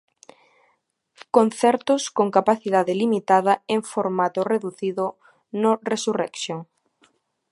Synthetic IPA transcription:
kon̟θɛɾt̪ʊskoŋkapaθiðaðelimit̪að̞ɐeŋfoɾmat̪oreðuθiðʊ | noresurɛksjoŋ

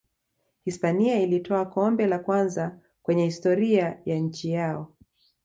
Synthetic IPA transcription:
hispaniailitʰɔakɔmbɛlakwanza | kwɛɲɛhistɔɾiajaɲ̩t͡ʃijaɔ

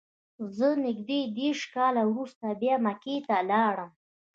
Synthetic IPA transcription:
zənɪɡd̪ed̪eɾʂkɑlawɾust̪abjɑmaket̪alɑɽəm

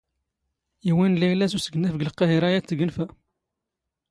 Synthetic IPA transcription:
iwænliʕlæsusəɡənːæfɡəlqːɑɦiɾˤæjæt͡sːəɡənfæ

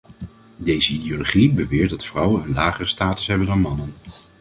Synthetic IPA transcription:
dejzəidioloχibəʋɪːɹt̚dɑtfrʌwənənlaːχərəstaːtə̥sɦɛbəndɑnmɑnən

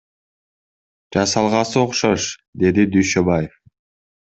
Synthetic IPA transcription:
d͡ʒɑsɑlˠʁɑsɨoqʃoʃd̪e̞d̪id̪yjʃøbajef

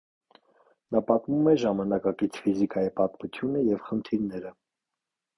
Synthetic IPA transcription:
nɑpɑt̪mumɛʒɑmɑnɑkɑkit͡sʰfizikɑjipɑt̪mut͡sʰjunəjɛvχənt̪ʰiɾnɛɾə

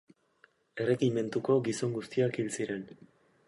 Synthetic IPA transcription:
e̞re̞ɣime̞nt̪uko̞ɡiso̞ŋɡust̪iakilsiɾe̞n

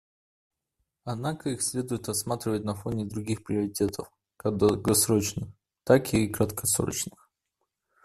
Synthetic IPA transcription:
ɐd̪nakəixsʲlʲe̞d̪ʊjɪt̪rɐsmat̪ɾʲɪvət̚ʲnɐfonʲɪd̪ɾuɡʲixpɾʲɪəɾʲɪtʲet̪ʰəf | kɐd̪ɡɐsɾot͡ɕnɨx | t̪akiːkɾət̪kʰɐsɾo̰t͡ɕnɨx

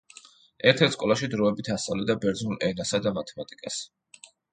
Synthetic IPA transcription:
ɛɾt̪ʰɛɾt̪skʼɔlˠaʃid̪ɾɔɛbit̪ʰasʼa̰vlɛd̪abɛɾd̪znulˠʔɛnasad̪amat̪ʰɛmat̪ʼikʼas

